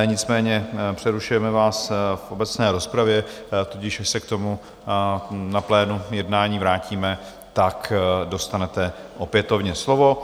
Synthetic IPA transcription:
ɲɪt͡smɛːɲɛpr̝̥ɛɾuʃujɛmɛvaːsfʔo̞bɛt͡snɛːɾo̞spɾavjɛ | t̪ucɪʃsɛk̚t̪o̞mu | naplɛːnujɛdnaːɲiːvɾaːciːmɛ | t̪akdo̞st̪anɛt̪ɛʔo̞pjɛt̪o̞vɲɛslo̞vo̞

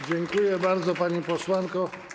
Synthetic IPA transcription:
d͡ʑɛŋkujɛbaɾd̪zɔpaɲipɔswaŋkɔ

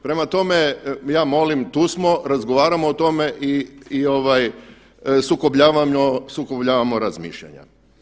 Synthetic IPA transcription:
pɾe̞mat̪o̞me̞jaːmo̞limt̪uːsmo̞ɾazɡo̞ʋaːɾamoːt̪o̞me̞ʔiːoʋaj | sukobʎaːʋamosukobʎaːʋamoɾazmḭːʃʎa̰ɲa̰

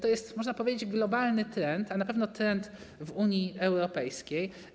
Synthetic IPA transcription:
t̪ɔjɛst̪mɔʐnapɔvʲed͡ʑed͡ʑɡlɔbalnɘt̪ɾɛnt̪anapɛvnɔt̪ɾɛnt̪ | vuɲiʔɛwɾɔpɛjskʲej

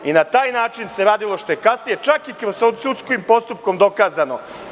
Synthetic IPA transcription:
inat̪aːjnaːt͡ʃinse̞ɾaːd̪ilˠo̞ʃt̪o̞jekasnije̞t͡ʃakikɾozsot̪sut̪skoimpo̞st̪up̚komd̪o̞kaːzano̞

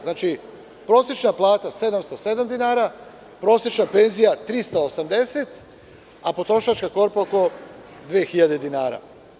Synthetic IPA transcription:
znaːt͡ʃi | pɾo̞sjet͡ʃnaplˠaːt̪ase̞d̪amst̪ose̞d̪amd̪inaːɾa | pɾo̞ːsjet͡ʃnape̞nzijat̪ɾist̪aosamd̪e̞set̪ | apo̞t̪ɾo̞ʃat͡ʃkako̞ɾpaoko̞ | d̪ʋeːxiʎad̪e̞d̪inaːɾa̰

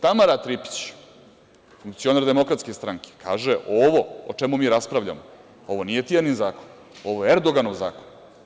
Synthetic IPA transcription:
t̪amaɾat̪ɾipi̥t͡ɕ | fuŋk̚t̪sio̞naɾd̪e̞mo̞kɾat̪ske̞st̪ɾaŋke̥kʰa̰ːʒeʔoʋo̞ot͡ʂemumiːɾaspɾaʋʎa̰mo | o̞ʋo̞nije̞t̪ijaninzaːkon | o̞ʋojeeɾd̪o̞ɡanoʋza̰ːkon

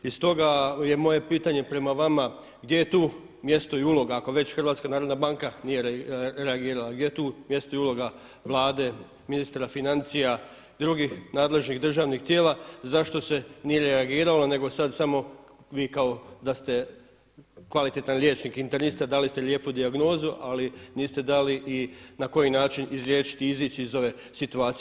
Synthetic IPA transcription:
ist̪o̞ɡaje̞mo̞je̞piːt̪aɲe̞pɾe̞maʋama | ɡd̪je̞jet̪uː | mje̞st̪o̞iulo̞ɡaːko̞ʋe̞t͡ɕxr̩ʋaːt̪skanaːɾo̞d̪nabaŋkanijeɾeaɡiːɾalaɡdje̞jet̪uːmje̞st̪o̞iulo̞ɡa | ʋlˠaːd̪e̞ | minist̪ɾafinant̪sija | d̪ɾuɡixnaːd̪le̞ʒniɣd̪r̩ʒaːʋnixt̪jeːlazaʃt̪o̞se̞nije̞ɾeaɡiːɾalane̞ɡo̞sad̪samo̞ʋiːkao̞d̪ast̪e̞ | kʋalit̪e̞t̪anlʲje̞ːt͡ʃniːkint̪eɾnist̪ad̪alist̪e̞lʲje̞ːpud̪iaɡno̞ːzuʔaliniːst̪e̞d̪aliʔinako̞jinaːt͡ʃinizɾje̞ːʃi̥t̪iiziːt͡ɕiːzo̞ʋe̞ | sit̪uaːt̪s

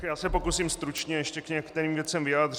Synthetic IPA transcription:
jaːsɛpo̞kusiːmst̪ɾut͡ʃɲɛjɛʃcɛkɲɛkt̪ɛɾiːmvjɛt͡sɛmvɪjaːd̪r

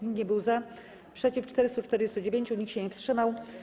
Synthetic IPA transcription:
iɲɛbɘwza | pʂɛt͡ɕift͡ʂt̪ɛɾɘst̪ut͡ʂt̪ɛɾd͡ʑɛst̪ud͡ʑevʲeɲt͡ɕuɲikɕɛɲɛfstʂɘmaw

